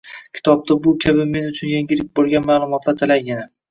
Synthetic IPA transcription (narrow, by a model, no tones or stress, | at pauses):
kʲʰɪ̥t̪ʰɒb̚t̪ʰabʊkʲʰabɪme̞nʊt͡ʃʰʊnjeŋɡʲɪlɪk̚ʲbolˠɡʲanmaːlˠʊmɒt̪lat̪ʰalajɡʲana